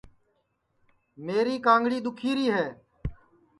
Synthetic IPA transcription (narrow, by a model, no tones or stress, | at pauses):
meːɾiːkãːŋɡɽiːd̪ʊkʰiːɾiːɦɛː